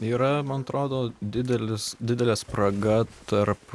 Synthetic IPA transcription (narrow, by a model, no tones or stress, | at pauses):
iːɾɐmɐnɐt̪ɾoːd̪oːd̪ʲɪd̪ʲɛlʲɪsd̪ʲɪd̪ʲɛlʲɛːspɾɐɡɐt̪ɐrp